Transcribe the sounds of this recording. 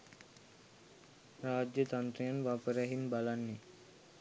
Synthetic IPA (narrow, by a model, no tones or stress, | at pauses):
ɾaːd͡ʒjət̪ant̪ɾejənʋapəɾaɦinbalanːe